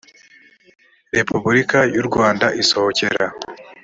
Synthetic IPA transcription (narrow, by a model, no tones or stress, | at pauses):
ɾe̞pʰubuɾikajuɾɡwaːndaʔiso̞hoce̞ɾa